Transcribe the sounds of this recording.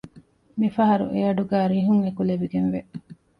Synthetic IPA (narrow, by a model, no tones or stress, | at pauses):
mifɐɦɐɾṵʔejɐɖuɡæːɾiɦuŋekuleʋiɡenʋeʔ